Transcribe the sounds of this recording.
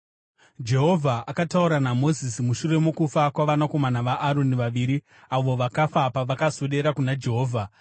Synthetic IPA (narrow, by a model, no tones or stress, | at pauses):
d͡ʒe̞ɦo̞vʱaʔakatauɾanamo̞zisimuʃuɾe̞mokufakwaʋanako̞manaʋaʔːɾo̞niʋaʋiːɾi | aʋo̞ʋakafapaʋakazoɗe̞ɾakunad͡ʒe̞ɦo̞ːvʱa